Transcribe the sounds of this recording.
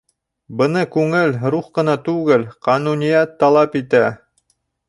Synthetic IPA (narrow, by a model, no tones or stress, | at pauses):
bɤ̆nɤkʉŋɘlɾuχqɤ̆nɑt̪ʉɡɘlqɑnunʲijæt̪ːɑlˠɑpit̪æ